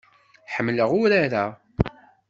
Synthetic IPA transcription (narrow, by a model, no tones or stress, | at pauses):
ħəmːləʁʊɾaɾæ